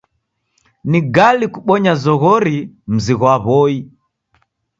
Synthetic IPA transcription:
niɡalikuɓɔɲazɔɣɔɾim̩ziɣwaβɔi

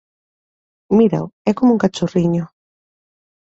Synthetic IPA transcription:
miɾa̰wɛkomuŋkat͡ʃoriɲo

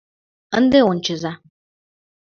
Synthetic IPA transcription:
ən̩d̪eʊn̩t͡ʃɪza

